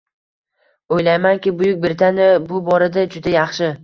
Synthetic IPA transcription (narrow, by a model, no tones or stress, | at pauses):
ojlajmankʲɪbʊjʊk̚ʲbɪɾt̪ʰanɪbʊbɒɾad̪ad͡ʒʊd̪ajɑχʃɪ